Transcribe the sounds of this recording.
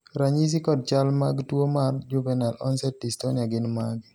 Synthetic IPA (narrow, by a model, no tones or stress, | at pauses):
ɾaɲis̬ikɔd̚t͡ʃalmaɡtwomard͡ʒubɛnalɔnsɛtistoniaɡɪnmaɡ